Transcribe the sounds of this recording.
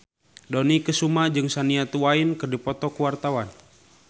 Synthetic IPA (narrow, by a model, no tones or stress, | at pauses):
dɔnikəsumad͡ʒɨŋsaniat̪uwainkɨrdipɔt̪ɔkuwart̪awan